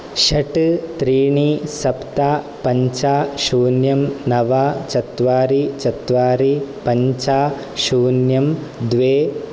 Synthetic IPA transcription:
ʃɐʈɨt̪ɾiːɳisɐpt̪aː | pɐɲt͡ʃaːʃuːnjɐmnɐʋaːt͡ʃɐt̪ʋaːɾit͡ʃɐt̪ʋaːɾipɐɲt͡ʃaː | ʃuːnjɐmd̪ʋeː

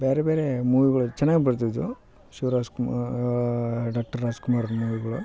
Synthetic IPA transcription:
beːɾebeːɾemuːʋiɡɐɭut͡ʃɛnːaːɡibɐɽt̪̬id̪ːu | ʃiʋɾaːskum | ɖaːk̚ʈɐɾaːskumaːɾɐnmuːʋiɡɐɭu

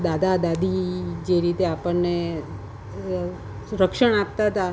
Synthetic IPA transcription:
d̪ad̪ʱad̪ad̪ʱid͡ʒeɾit̪eapəɳːe | ɾəkʃəɳap̚t̪aɦt̪a

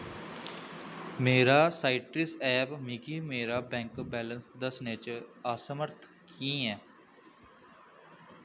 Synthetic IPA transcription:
meːɾaːsaːɪʈɪsɛːpmiːkiːmeːɾaːbɛ̃ːŋkbɛːlənsd̪əsneːt͡ʃaːsəməɾt̪ʰ | kĩːɛː

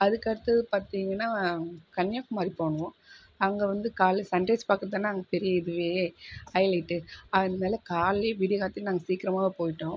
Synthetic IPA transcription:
ɐðɯkːɐɽɐt̪ːɐðɯpaːɾt̪iːŋɡɐnːaːkɐnjaːkːɯmaːd̪ɾipoːɳɯʋõ | ɐŋɡɐʋɐnd̪ɯkaːlsɐɳɖɛːspaːkɯɾɐt̪aːnːaːɐŋɡɐpɛɾɪjɐɪðɯʋeːɐɪlɐʈːɯaɪnd̪ɐmeːlɐkaːleʋɪɽɪkaːt̪ːɪnaːŋɡɐsiːkɪɾɐmaːʋɐpoːjɪʈːõː

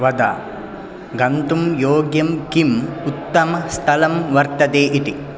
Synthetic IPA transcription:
ʋɐd̪a̰ | ɡɐnt̪umjoːɡjɐmkimut̪ːɐmɐst̪ʰɐlɐmʋɐɾt̪ɐd̪eːʔiʈ̪i

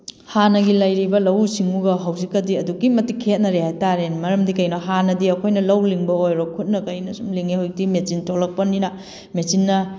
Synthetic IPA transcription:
hanɐɡilɐjɾibɐlɐwsiŋuɡɐɦɐwzikːɐdiɐduɡimɐtikʰet̚nɐɾehajtaɾenmɐɾɐmdikɐjnɐɦanɐdiɐkʰojnɐlɐwliŋbɐojɾokʰut̚nɐkɐjnɐsumliŋehojk̚timet͡ʃintʰolɐk̚pɐninɐ | mesinːɐ

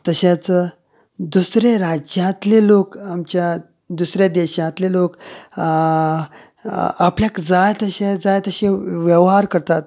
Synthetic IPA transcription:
t̪əɕãt͡sə | d̪usɾeɾad͡ʑjãt̪lelokamt͡ɕja | d̪usɾed̪eɕãt̪lelok | apljakd͡zajt̪əɕẽd͡zajt̪əɕẽʋjeʋɦaɾkəɾt̪at̪

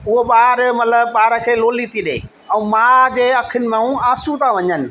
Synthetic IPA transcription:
ʊɦoɓaːɾmɐt̪ləbɓaːɾə̆kʰeːloːlit̪ʰiɗḛː | ɛ̃ũːmãd͡ʑeːɐkʰɪnɪ̆mãũaːsũt̪ʰaʋɐɲənɪ̆

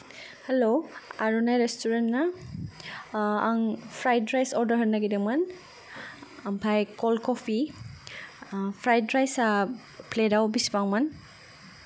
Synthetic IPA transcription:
heloaɾunajɾestuɾentna | aŋpʰɾajdɾajsɔɾdɐɾɦɐtnːaɡidɐmɐn | ɐmpʰajkɔlkɔpʰi | pʰɾajdɾajsa | pledawbispaŋman

